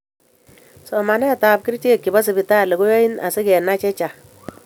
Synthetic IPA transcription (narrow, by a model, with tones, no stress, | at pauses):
sɔ˨ma˨nɛ˦˨ta˨p̚kɪ˦ɾte˦˨kːɪ˨ba˦s̬ɪ˨bɪ˨ta˦le˨ɡo˦jɔ˦i˦na̰˨sɪ˦kɛ˨na˦t͡ʃɛ˦t͡ʃa˨